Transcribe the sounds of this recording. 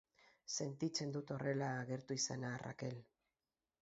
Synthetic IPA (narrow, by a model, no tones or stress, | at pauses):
se̞nt̪it͡se̞nd̪ut̪o̞re̞laːɣe̞ɾt̪uisanara̰ke̞l